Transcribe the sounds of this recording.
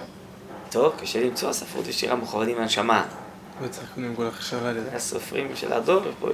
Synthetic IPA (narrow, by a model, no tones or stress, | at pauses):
t̪ovkaʃelimt͡soasafʁṵt̪eʃiʁamuχavadimanʃama | lot͡sakinimkolaχḁʃavalaso̰fʁḭmʃelʔa̰doʁebo̰